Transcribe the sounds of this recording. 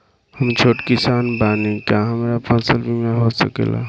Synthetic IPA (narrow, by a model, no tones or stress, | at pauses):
həmt͡ʃʰoːʈkɪsaːnbaːnikjaɦəmaɾapʰə̃nsəlbʱimẽɦosə̰kḛla̰